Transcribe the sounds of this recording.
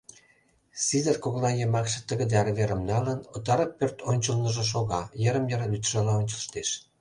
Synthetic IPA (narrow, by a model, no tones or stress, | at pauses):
sizərkoɣlɑjəmɑkʃĕ̥t̪əɣəd̪eɑɾβeɾəmnɑlənot̪ɑɾəpːørt̪ʰonʲt͡ɕəlnəʒĕʃ̬oɣɑjəɾəmjəɾyt̪ʒɑlɑonʲt͡ɕə̆lʃt̪eʃ